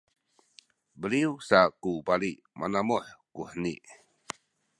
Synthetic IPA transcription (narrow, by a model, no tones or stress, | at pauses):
bəliusakupaliʔ | manamɔħkuħnḭʔ